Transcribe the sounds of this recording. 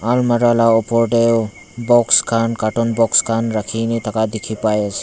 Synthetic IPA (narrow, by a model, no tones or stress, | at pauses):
almaɾalaɔpɔɾɖe | bɔkskʰankaʈɔnbɔkskʰanɾakʰinit̪ʰakad̪ikʰipajəs